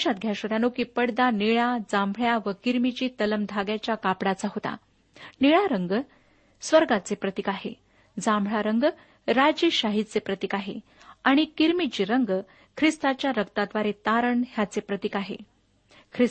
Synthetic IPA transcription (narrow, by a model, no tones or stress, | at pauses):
ɕat̪̚ɡʱjaɕʋəɾjanokiːpəɽd̪aniɭad͡zãmbʱɭjaʋəkiɾmit͡ɕiːt̪ələmd̪ʱaɡjat͡ɕjakapɽat͡saɦot̪a̰ | niɭaɾəŋɡ | sʋəɾɡat͡sepɾət̪ikaɦḛ | d͡zãmbʱɭaɾəŋɡ | ɾad͡ʑiːɕaɦit͡sepɾət̪ikaɦḛ | aɽ̃ikiɾmit͡ɕiːɾəŋɡ | kʰɾist̪at͡ɕjaɾəkt̪ad̪ʋaɾet̪aɾəɳɦjat͡sepɾət̪ikaɦḛ | kʰɾi